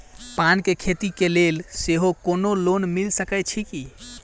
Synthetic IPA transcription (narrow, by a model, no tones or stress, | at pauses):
pankekʰet̪ikelelseɦokonolonmilsəkɛt͡ʃʰiki